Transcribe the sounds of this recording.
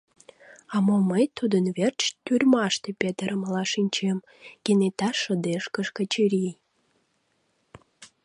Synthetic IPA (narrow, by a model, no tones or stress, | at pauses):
ɑmoməjt̪ud̪ənβert͡ɕt̪yrʲmɑʃt̪epʲet̪əɾəmlɑʃinʲt͡ɕem | kenet̪ɑʃə̆d̪eʃkəʃkə̆t͡ɕiɾʲi